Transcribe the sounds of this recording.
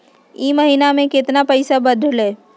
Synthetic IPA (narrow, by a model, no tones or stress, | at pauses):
iːməɦiːnamẽkɪt̪napəɪsabəd̪ʱleː